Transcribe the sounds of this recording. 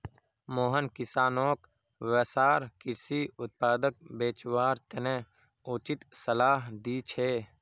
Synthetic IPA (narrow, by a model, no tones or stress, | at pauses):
moːɦənkɪsaːnoːk | ʋesaːɾkɪɾsiːʊt̪̚paːd̪ək̚beːt͡ʃwaːɾt̪ənẽ | ʊt͡ʃɪt̪səlaːɦd̪iːt͡ʃʰeː